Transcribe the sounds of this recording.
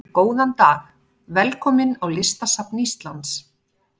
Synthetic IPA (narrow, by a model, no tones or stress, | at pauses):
koːwðant̪aːx | vɛlkʰɔːmɪnawlɪst̪asapnɪist̪lant̪s